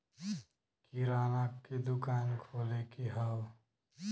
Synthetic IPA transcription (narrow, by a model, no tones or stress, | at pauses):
kiɾaːnakːed̪ʊkaːnkʰoːlekiɦaw